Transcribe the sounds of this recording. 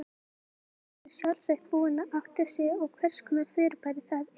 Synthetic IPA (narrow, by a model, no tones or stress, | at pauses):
ɾsjawlsaht̪̚puːɪnːaʔaft̪ḁsjɛɔɣkʰvɛr̥skʏnafɪːɾpajɾɪθað